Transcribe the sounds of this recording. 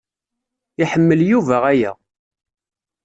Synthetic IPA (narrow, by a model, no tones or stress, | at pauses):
iħəmːəljuvæʁæjæ̰